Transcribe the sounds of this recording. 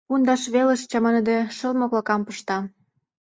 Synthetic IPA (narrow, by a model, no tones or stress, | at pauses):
und̪ɑʃβeleʃt͡ɕɑmə̆nə̆d̪eʃəlmoklɤ̆kɑmpəʃt̪ɑ